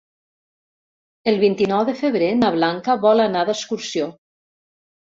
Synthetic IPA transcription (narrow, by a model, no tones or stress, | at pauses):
elˠβint̪inɔwðəfəβɾenaβlaŋkəβɔlanaðəskuɾsjo